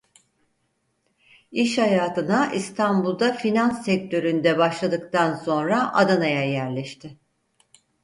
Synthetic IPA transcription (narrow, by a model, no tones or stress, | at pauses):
iʃhajaːt̪ʰɯnaʔist̪ʰanbulˠd̪afinansːɛc̚ʲt̪ʰø̞ɾynd̪ɛbaʃlˠad̪ɯkt̪anso̞nɾaʔa̰d̪anajajæɾlʲɛʃt̪ʰɪ